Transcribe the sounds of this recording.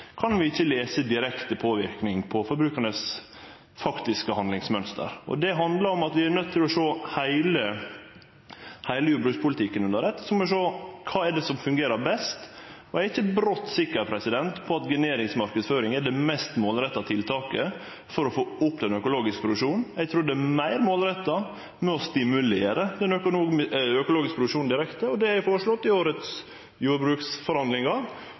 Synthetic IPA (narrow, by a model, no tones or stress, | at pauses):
kʰɑnʋɪɪçːəleːsəd̪ɪɾɛkt̪əpʰoːʋɪɾknɪŋpʰɔfɔɾbɾʉːkəɳəs | fɑkt̪ɪskəhɑnd̪lɪŋsmœnst̪ə̰ɾɔ̰d̪ɛɦɑnd̪ləɾɔmɑt̪ʋɪænœt̪ʰːɪlɔʂoːhæɪlə | hæɪləjuːbɾʉːkspʰʊlət̪ʰɪkːənʉnəɾɛt̪ːə̥sɔmɛʂoːkʰɑːɛɖɛsɔmfʉŋɡeːɾəbɛst̪ | ɔæɾɪçːəɛt̪̚bɾɔt̪ːsɪkːəɾpʰɾɛsɪd̪ɛnt̪pʰɔɑt̪ɡɪneːɾɪŋsmɑɾkəd̪sføːɾɪŋɛɖ̪ɛmɛst̪moːlɾɛt̪ːɑt̪ʰɪlt̪ʰɑːkə | fɔɾɔfoːʊpːd̪ɛnœkʊloːɡɪskəpɾʊʂuːnɛɡt̪ʰɾuːɖ̪ɛæmæɪɾmoːlɾɛt̪ːɑ | mɛɔst̪ɪmʉleːɾəd̪ɛnœkʊuːœkʊloːɡɪskəpɾʊʋʂuːnd̪ɪɾɛkt̪əɔd̪ɛhæɪfoːɾəʂɭɔt̪ːɪoːɾət̪s | juːɾbɾʉːksfɔɾhɑnd̪lɪŋɑ